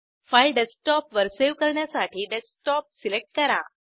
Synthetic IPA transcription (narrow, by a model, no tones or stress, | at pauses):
fajɖesʈɔpʋəɾseʋkəɾɳjasaʈʰiːɖesʈɔp̚silek̚ʈ̚kəɾa̰